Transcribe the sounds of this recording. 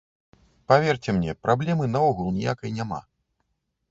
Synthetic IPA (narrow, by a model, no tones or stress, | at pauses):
pavʲert͡sʲɛmnʲɛpɾʔablʲɛmɨnaɔɣulˠnʲijakɐjnʲama̰